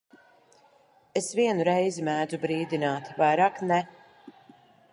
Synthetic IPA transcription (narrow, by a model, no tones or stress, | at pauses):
esviɛnuɾɛjzimæːd̪zubɾiːd̪inaːt̪vajɾaːknɛ